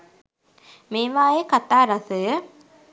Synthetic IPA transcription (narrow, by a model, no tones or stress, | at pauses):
meːʋaːjekat̪aːɾasəjə